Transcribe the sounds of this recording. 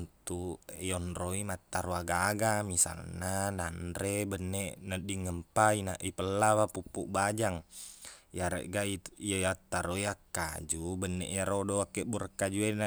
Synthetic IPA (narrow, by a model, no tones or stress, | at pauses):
nt̪ujɔnɾoimat̪ːaɾuaɡaɡamisa̰lnananɾebənːɛʔnədiŋəmpainaʔipəlːaβapupːṵʔbad͡ʒaŋ | jaɾḛʔɡaijaat̪ːaɾoiakːa̰d͡ʒubənːɛ̰ʔjaɾodɔakːɛʔbuɾəkːad͡ʒuena